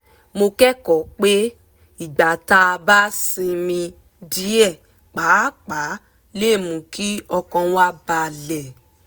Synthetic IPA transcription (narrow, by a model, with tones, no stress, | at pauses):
mo˧kɛ˦kɔ˨k͡pe˦ | i˦˨ɡ͡ba˨ta˧ba˦se˧mĩ˧ | di˨˦ɛ˦˨ | k͡pa˨˦k͡pa˨˦ | le˦˨mũ˨ki˦ɔ˧kɔ̃˧wa˦ba˧˨lɛ˨